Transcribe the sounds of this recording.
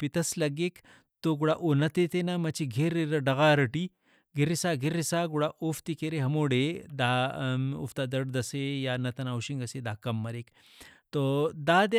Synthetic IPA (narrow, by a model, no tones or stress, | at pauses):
pit̪ɐslɐɡek | t̪oɡuɽaʔonɐt̪et̪enamɐt͡ʃʰiɡʱeɾiɾɐɖɐɣaːɾɐʈi | ɡʱiɾisaɡʱiɾːisaːɡuɽaʔoft̪ikeɾeɦɐmoːɽed̪aːṵft̪ad̪ɐɽd̪ɐsejanɐt̪ɐnawʃiŋɡɐsed̪akɐmːɐɾek | t̪od̪aːd̪